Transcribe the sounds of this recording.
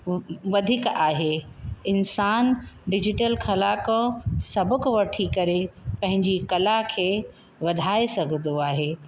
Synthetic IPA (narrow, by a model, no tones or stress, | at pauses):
ʋɐd̪ʱiːkaːɦeɪnsaːnɖɪd͡ʑɪʈəlkʰɐlaksɐbʊkʋɐʈʰikɐɾepɐ̃ɦɪ̃ɲd͡ʑikɐlakʰeː | ʋɐd̪ʱaːesɐɡʱə̃nd̪oaːɦeː